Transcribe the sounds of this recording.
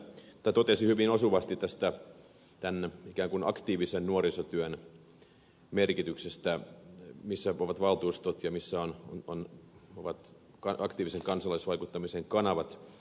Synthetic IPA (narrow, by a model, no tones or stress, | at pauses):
t̪æt̪ot̪esihyʋinosuʋɑst̪it̪t̪æst̪æ | t̪ænikæːŋkunɑ̰kt̪iːʋisennuorisot̪yøn | merkit̪yksest̪æ | misːæoʋɑt̪ʋɑlt̪uːst̪ot̪jɑmisːæonoonoʋɑt̪ | kɑɑkt̪iːʋiseŋkɑnsɑlɑisʋɑikut̪ːɑmiseŋkɑnɑʋɑt̪